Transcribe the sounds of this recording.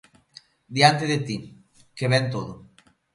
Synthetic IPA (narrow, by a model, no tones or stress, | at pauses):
d̪jant̪eðet̪i | keβɛnt̪oðo